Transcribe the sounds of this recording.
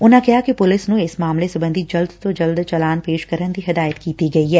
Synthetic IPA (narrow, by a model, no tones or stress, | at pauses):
ʊnãkɛɦakipʊlɪsnũɪsmaːmlesɐbə̃nd̪ʱid͡ʒɐld̪t̪od͡ʒɐld̪t͡ʃɐlaːnpeːʃkɐɾənd̪iɦɪd̪aːjət̪kiːt̪iɡɐiɦɛː